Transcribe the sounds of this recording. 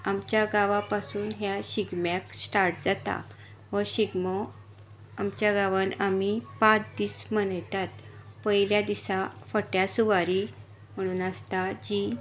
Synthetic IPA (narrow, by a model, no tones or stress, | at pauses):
amt͡ɕjaɡaʋapasuːnɦjaɕiɡmjaksʈaɾʈ̚d͡zat̪a̰ | ʋɔɕiɡmɔ | amt͡ɕjaɡaʋãnamipãt͡sd̪iːsmənjt̪at̪pəɦiljad̪isafəʈjasuʋaɾi | m̤əɽ̃uːnast̪ad͡ʑi